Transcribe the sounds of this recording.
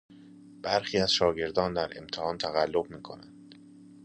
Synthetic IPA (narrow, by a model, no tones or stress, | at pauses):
b̥æɾxiːæz̥ʃɒːɟe̞ɾd̪ɒːnd̪æɾe̞̰mt̪ʰehɒːnt̪ʰæɣælːobmiːkʰo̞̰nænd̪̥